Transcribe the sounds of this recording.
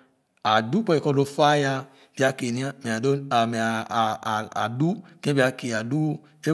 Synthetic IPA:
a˨du˦k͡pɔ˦i˨kɔ˧do˧fa˦ja˧ | bi˦a˧ke˨nĩ˨˦a˦mɛ̃˨a˨do˦a˨mɛ˨a̰˨du˦kẽ˦bi˦a˧ke˨a˨du˦ | ʃe˦

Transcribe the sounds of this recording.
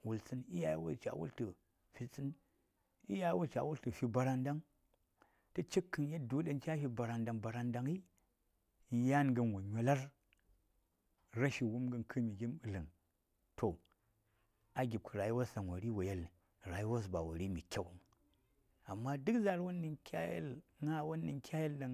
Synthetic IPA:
wu˨lt͡sɨ˦ni˦ja˦jwo̰˦t͡ʃa̰˨wṵ˦ltə˨ | fi˨t͡sʼɨ˦n | ḭ˦ja˦jwo˦t͡ʃa̰˨wu˦ltɨ˨fi˦ba˨ɾa˦nda˦ŋ | tɨ˦t͡ʃi˦kʰːɨ˨nje˦du˦ɗa˦nt͡ʃa˦fi˨˦ba˨ɾa˨nda˨ŋba˨ɾa˨˦nda˨ŋi˦˨ | ja˦nɡə˦nwo˨ɲʲo˨la˦ɾ | ɾa˦ʃi˨wu˦mɡə˦nkʰɨ˦mi˨ɡʲi˦mɨ˨lɨ˨ŋ | tʰo˨ | a˨ɡʲi˨b̚kʰu˨ɾa˨ji˦wa˦sa˨ŋwa˨ɾi˦wa˨je˦li˨ | ɾa˨ji˦wa˦s̬ba̰˨wo̰˨ɾi˦mi˨kʲa˦wŋ˨ | a˨mːa˦dɨ˦kza˦ɾwu˦nːi˨ŋkʲa˦jḛ˦lŋa˦wo˦nːi˨ŋkʲa˦je˦lda˨

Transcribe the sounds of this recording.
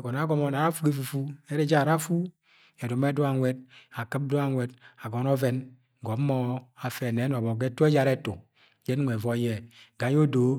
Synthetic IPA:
ɡɔ˨na˨˦ɡɔ˦mɔ˦na˨ɾa˦fu˦ɡe˦fu˨fu˦e˦ɾe˦d͡ʒa˦˨ɾa˦fu˦ | e˨du˨m˦e˦do˦a˨ŋʷɛ˦d̚a˨kɨ˦b̚do˦a˨ŋʷɛ˨da˨ɡɔ˨nɔ˦vɛ˦n˨ | ɡɔ˨˦ɔ˦a˨fɛ˨nɛ˨˦nɔ˨bɔ˨ɡe˦tu˦e˦d͡ʒa˨ɾɛ˦to˨ | d͡ʒɛ˦n˦ŋʷ˨e˨vɔ˦jɛ˨ɡa˨jo˦do˨˦

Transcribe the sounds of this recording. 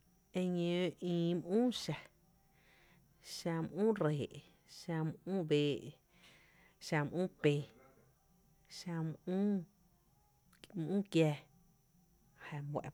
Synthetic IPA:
ẽ˧ɲə̃˧ʔĩː˧˨m˦ʔũː˦ʃa˧ | ʃa˧mʔũː˦˨ɾeː˨ʔ | ʃa˧mʔũː˦beː˧˨ʔ | ʃa˧m˧ʔũː˦˨pe˧˨ | ʃa˧mũː˦ | mʔũː˦kjɛ˧ | ha˧˨mwɛ̰˨ʔ

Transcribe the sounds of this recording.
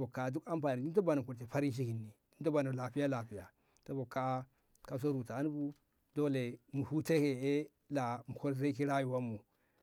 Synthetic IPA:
bo˨ka˨du˦ka˦mpa˨ni˨di˦nt̬o˦ba˨no˨ku˨ɾte˨pa˦ɾi˦nʃ̬i˦ki˨nːi˨di˦to˦ba˨no˨la˨pi˦ja˦la˨pi˨ja˨ | to˦bo˨kːa˦ | ka˨s̬o˦ɾu˨taː˨˦n˦bu˦ | do˦le˨mu˨hu˦te˦ke˨e˦ | la˨mu˨ko˦ɾze˦ki˦ɾa˦ju˨wa˦mːu˨

